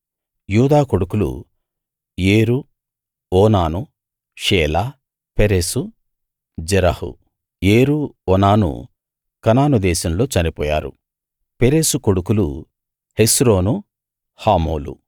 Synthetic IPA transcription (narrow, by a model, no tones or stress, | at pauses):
juːd̪aːkoɽukulṵ | jeːɾu | ɔːnaːnu | ʃɛːlaː | peɾeːsu | d͡ʒɛɾɐhṵ | jeːɾuɔnaːnṵ | kɐnaːnud̪ɛːsɐmlo̞ːt͡ʃɐnipɔ̰ːja̰ːɾṵ | peɾeːsuko̞ɽukulu | hesɾoːnu | haːmo̰ːlṵ